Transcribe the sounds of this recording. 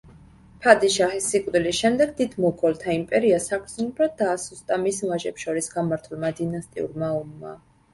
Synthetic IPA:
pʰad̪iʃaχisːikʼvd̪ilisʃɛmd̪ɛɡd̪id̪mɔɡɔlˠt̪ʰaimpʼɛɾiasakʰsɔnubɾad̪d̪aːsust̪ʼamisvaʒɛpʃɔɾisɡamaɾt̪ʰulˠmad̪inast̪ʼḭṵɾmaɔmːa̰

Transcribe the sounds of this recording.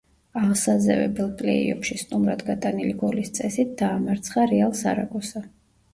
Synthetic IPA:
aʁsazɛvɛ̰bɛlˠpʼlɛ̰ḭɔ̰pʃist̪ʼumɾad̪ɡat̪ʼaniliɡɔlist̪sʼɛsit̪̚ʰd̪̥aːmaɾt̪sʰχaɾɛalˠsaɾa̰kʼɔsa

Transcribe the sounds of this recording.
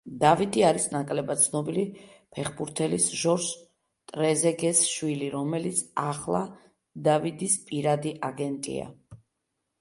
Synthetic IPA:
d̪avid̪iaɾisnakʼlɛbat̪sʰnɔbili | pʰɛχbuɾt̪ʰɛlisʒɔɾʃ | t̪ʼɾɛzɛɡɛsʃwiliɾɔmɛlit̪sʰaχlˠa | d̪avid̪ispʼiɾad̪iʔaɡɛnt̪ʼḭa̰

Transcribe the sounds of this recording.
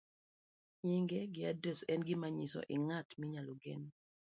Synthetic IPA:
ɲiŋɡɛɡɪadɾɛsɛnɡɪmaɲisɔ̰ʔɪŋatmiɲalɔɡḛn

